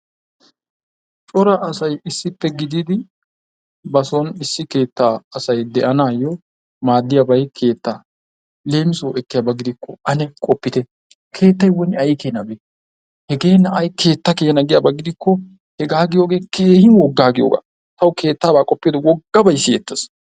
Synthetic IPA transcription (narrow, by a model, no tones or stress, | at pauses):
t͡ʃʼɔɾɐʔːsɐjɪsːɪpːɛɡɪd̪ɪd̪ɪ | bɐsɔnɪsːɪke̞ːt̪ːaɐsɐjd̪ɛʔɐnaːjɔ | maːd̪ːɪjabɐjkʰe̞ːt̪ːa | le̞ːmɪsoɛkːɪjabɐɡɪd̪ɪkːɔɐnɛkʼɔpːɪt̪ɛ | kʰe̞ːt̪ːɐjwɔnɪɐjkeːnɐbe | hɛɡe̞ːnɐɐjkʰe̞ːt̪ːɐkeːhɛnɐɡɪjabɐɡɪd̪ɪkːɔ | hɛɡaːɡɪjo̞ːɡe̞ːkʰeːhɪnwɔɡːaːɡɪjo̰ːɡa̰ː | t̪ɐwkʰe̞ːt̪ːaːbaːkʼɔpːeːd̪ɔwɔɡːɐbɐjsːɪjɛt̪ːɐs